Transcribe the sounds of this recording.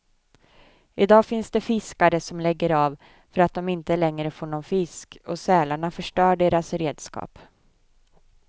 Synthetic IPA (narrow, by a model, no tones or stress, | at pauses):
ɪd̪ɑːfɪnsd̪ɛfɪskaɾəsɔmlɛɡːəɾav | fœɾat̪̚d̪ɔmɪnt̪əlɛŋːɾəfoːɳɔnfɪskɔsɛːlaɳafœʂʈœːɖeːɾasɾeːd̪skɑ̰ːp